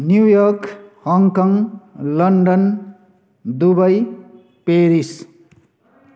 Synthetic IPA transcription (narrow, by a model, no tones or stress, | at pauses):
njujʌɾkhʌŋkʌŋlʌɳɖʌn | d̪ubʌj | peɾis